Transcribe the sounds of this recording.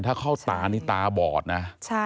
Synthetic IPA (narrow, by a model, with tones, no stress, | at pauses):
nt̪ʰaː˥˩kʰa˥˩wt̪aː˧niː˦˥˩t̪aː˧bɔː˨˩t̪̚na˦˥t͡ɕʰ